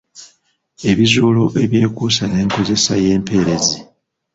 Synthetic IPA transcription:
e̞βizuːlo̞ʔe̞βje̞ːkuːsane̞ːŋko̞ze̞saje̞ːmpe̞ːɾe̞zi

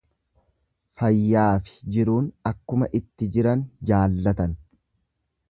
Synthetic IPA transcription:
fɐjːaːfɪ̥d͡ʒɪɾuːnɐkːʊmɐʔɪt̪ːɪd͡ʒɪɾɐnd͡ʒaːlːɐt̪ɐn

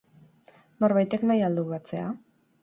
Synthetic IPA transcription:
no̞ɾβajt̪e̞knajald̪uβat͡se̞a

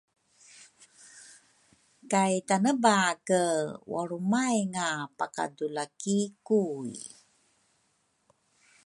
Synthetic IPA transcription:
kajtanəbakəwa̰ɾumajŋapaka̰dulakikuj

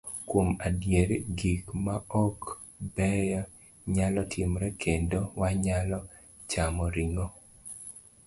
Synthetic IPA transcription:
kwomadjeɾɡikmaɔk | bɛjɔ | ɲalɔtʰɪmɾɛkʰendowaɲalɔ | t͡ʃamɔɾiŋɔ

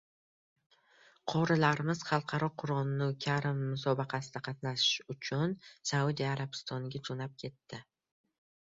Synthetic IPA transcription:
qʰɒɾɪlaɾɪmɪz̥χɑlˠqʰɑɾɒqʰʊɾɒnnukʲʰaɾɪmːʊsɒbɑqʰɑsɪd̪aqʰɑt̪naʃɪ̥ʃʊt͡ʃʰʊnsaud̪ijaɾabɪst̪ʰɒnɪɡʲad͡ʒonap̚kʲʰe̞t̪ʰːɪ

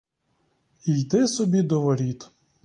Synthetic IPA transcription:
ijd̪ɪsɔbʲid̪ɔʋɔɾʲit̪

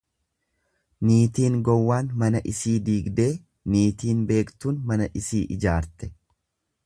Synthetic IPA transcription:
niːt̪iːŋɡɔwːaːnmɐnɐʔɪsiːd̪iːɡd̪e̞ː | niːt̪iːnbe̞ːkt̪uːnmɐnɐʔɪsiːʔɪd͡ʒaːɾt̪ɛ̥

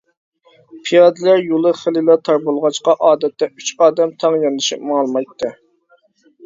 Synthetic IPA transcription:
pʰijɑd̪ɨlæɾjolˠɨχelɨlˠɑt̪ʰɑɾbolˠʁɑt͡ʃqɑʔɑːd̪ɛt̪ʰːɛyt͡ʃɑːd̪ɛmt̪ʰɑŋjɑnɨʃipmɑlˠmɑjt̪ʰːɨ

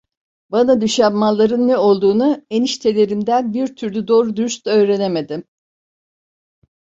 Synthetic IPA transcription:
banad̪yʃammalˠːaɾɯnːɛo̞lˠd̪uːnueniʃt̪ʰe̞lʲe̞ɾimd̪ænbiɾt̪ʰyɾlʲyd̪o̞ːɾud̪yɾyst̪ø̞ːɾe̞neme̞d̪im

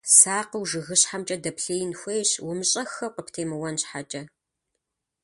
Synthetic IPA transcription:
saːqəwʒɨɣɨɕħamt͡ʃʼɐdɐpɬɐjɪnxʷejɕwʊmɕʼɐxɐwqəpʰtʰeːmɨwɐnɕħat͡ʃʼɐ

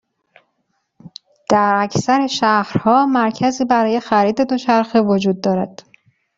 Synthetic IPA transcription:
d̪̥æɾæcʰsæɾe̞ʃæhɾhɒːmæɾcʰæziːbæɾɒːje̞xæɾiːd̪e̞d̪o̞t͡ʃʰæɾxevod͡ʒuːd̪̚ːɒːɾæd̪̥

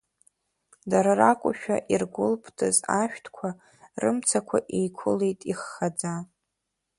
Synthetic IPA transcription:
daɾarakʷʼʊʃᶣa̰ʔirɡʷʊlpʰtʰɨzaʃᶣtʰkʷʰa | rɨmt͡sʰakʷʰaʔejkʷʰʊlejtʼiχːad͡za

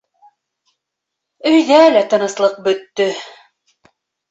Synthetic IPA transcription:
ɵ̆jðælæt̪ɤ̆nɤ̆slˠɤq̚bɵ̆t̪ːɵ

